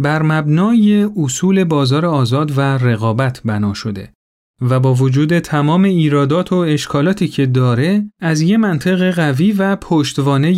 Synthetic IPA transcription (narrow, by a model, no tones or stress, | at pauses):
bæɾmæbnɒːje̞osuːle̞bɒːzɒːɾeɒːzɒːd̪være̞ɣɒːbæt̪ʰbænɒːʃo̞d̪e̞̰ | væbɒːvod͡ʒuːd̪e̞t̪ʰæmɒːme̞iːɾɒːd̪ɒːt̪ʰo̞e̞ʃkʰɒːlɒːt̪ʰiːcʰe̞d̪ɒːɾe̞æzjemænt̪ʰe̞ɣe̞ɣæviːvæpʰoʃt̪vɒːne̞j